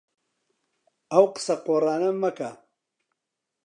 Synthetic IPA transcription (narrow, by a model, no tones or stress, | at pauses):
ɐwqə̥sɐqoːrɑːnɐmːɐka